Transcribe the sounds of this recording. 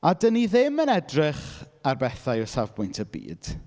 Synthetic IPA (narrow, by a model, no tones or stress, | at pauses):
adəniðɪmənɛdrɪχ | arbɛθajɔsavbʊjntʰəbḭːd̥